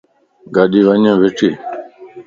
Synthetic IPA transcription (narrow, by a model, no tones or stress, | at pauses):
ɡaːɗiːʋəɲẽːʋɪʈʰiː